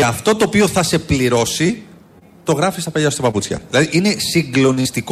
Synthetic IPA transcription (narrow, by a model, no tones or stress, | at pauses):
ɐft̪o̞t̪oːpio̞θɐse̞pliɾo̞si | t̪o̞ɣɾɐfist̪ɐpeʎɐst̪opɐput͡sçɐ̰ðilɐðiʔine̞siŋɡlo̞nist̪ik